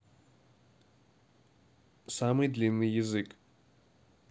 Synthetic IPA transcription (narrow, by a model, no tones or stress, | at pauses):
samɨjd̪lʲinːɨjjɪzɨk